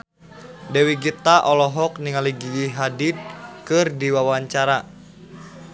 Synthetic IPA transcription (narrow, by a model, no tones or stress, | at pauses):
dɛwiɡit̪aʔɔlɔɦɔk̚niŋaliɡiɡiɦadit̪̚kɨrdiwawaɲt͡ʃaɾa